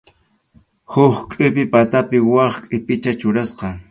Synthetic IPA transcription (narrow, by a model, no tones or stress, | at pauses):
hʊχkʼɪpɪpat̪apɪwɑχkʼɪpɪt͡ʃat͡ʃʊɾasqɑ